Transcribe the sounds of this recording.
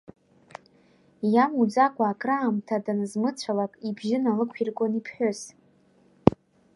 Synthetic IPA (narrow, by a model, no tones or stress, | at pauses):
jamud͡zakʷʼaːkʼraːmtʰadanɨzmɨt͡ɕʷʰalakʼibʒɪnalɨkʷʰirkʷʼonipʰħʷᶣʊs